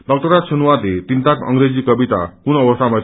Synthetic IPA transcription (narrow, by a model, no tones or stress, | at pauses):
dʌk̚tʌɾasʰunuwat̪et̪int̪akʌ̰ŋɾed͡zikʌbit̪a̰kunʌbʌst̪ʰama